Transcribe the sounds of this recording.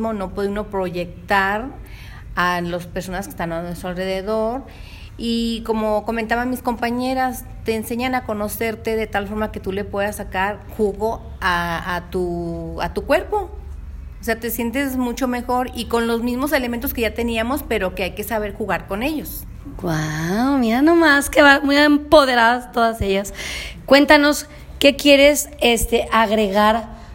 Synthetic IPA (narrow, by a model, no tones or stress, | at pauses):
mo̞no̞pweðeuno̞pɾo̞ʝe̞k̚t̪aɾ | alospe̞ɾso̞naskest̪ananwesalre̞ðe̞ðoɾ | iko̞mo̞ko̞ment̪aβanmisko̞mpaɲe̞ɾas | t̪e̞ːnse̞ɲanako̞no̞se̞ɾt̪e̞ðe̞t̪alfo̞ɾmake̞t̪ule̞pwe̞ðasakaɾxuɣo̞ | aat̪ua̰t̪ukwe̞ɾpo̞ | ose̞at̪e̞sje̞nt̪̬e̞zmut͡ʃo̞me̞xo̞ɾiko̞nlo̞zmizmo̞s̬e̞lement̪oske̞ʝat̪e̞niamo̞spe̞ɾoke̞ajke̞saβ̞e̞ɾxuɣaɾko̞ne̞ʝo̞s | ɡwawmiɾanomaskeβamujempo̞ðe̞ɾaðast̪oðase̞ʝaskwe̞nt̪ano̞s | kekje̞ɾe̞sest̪eʔaɣɾe̞ɣaɾ